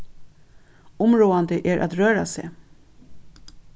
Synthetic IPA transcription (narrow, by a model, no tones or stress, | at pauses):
ʊmɹoːand̪əʔɛɹʔa̰t̪ɾøːɾa̰sḛː